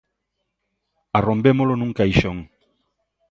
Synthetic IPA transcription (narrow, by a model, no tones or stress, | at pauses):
arombemolonũŋkajʃoŋ